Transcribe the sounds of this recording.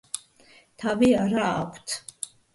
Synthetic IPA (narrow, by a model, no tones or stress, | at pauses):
t̪ʰaviaɾa̰ːkʷʰt̪ʰ